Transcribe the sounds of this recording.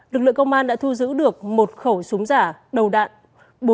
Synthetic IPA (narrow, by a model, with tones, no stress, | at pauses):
lɨ˨˩k̚lɨ˧əŋkə˧wŋ͡mʔaː˧nɗa̰ː˧˥t̪ʰu˧zɨ̰˧˥ɗɨ˨˩ək̚mo˨˩t̚xə˧˩wsu˨˦ŋ͡mzaː˧˩ɗə˨˩wɗa̰ː˧˨n | ɓo˨˦